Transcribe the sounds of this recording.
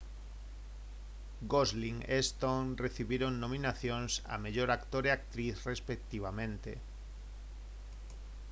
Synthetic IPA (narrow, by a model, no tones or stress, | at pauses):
ɡozliŋest̪oŋreθiβiɾoŋnomĩnaθjonsa̰meʎoɾakt̪oɾeak̚t̪ɾiθrespek̚t̪iβ̞amẽnt̪ḛ